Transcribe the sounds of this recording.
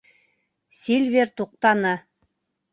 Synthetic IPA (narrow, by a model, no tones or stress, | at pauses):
sʲilʲvʲert̪uq̚t̪ɑnɤ